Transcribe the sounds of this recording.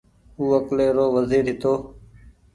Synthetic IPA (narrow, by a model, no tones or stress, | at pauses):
uːəkleːɾoːʋəziːɾɦɪt̪oː